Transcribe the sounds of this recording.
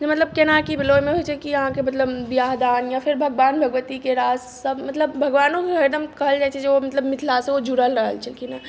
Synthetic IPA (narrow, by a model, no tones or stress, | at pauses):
d͡ʒemɐt̪ləb̚kenakibʱɪlojmẽɦojt͡ʃʰekijɐɦãkemɐt̪ləbbijaːɦd̪aːnjapʰɪɾbʱəɡʋaːnbʱɐɡʋət̪ikeɾaːzsəbmɐt̪ləbbʱəɡʋaːnoɦɐɾd̪əmkɐɦəld͡ʒaːt͡ʃʰɛd͡ʒeomɐt̪ləbmɪt̪ʰlaseod͡ʒuɽəlɾəɦə̰lt͡ʃʰekina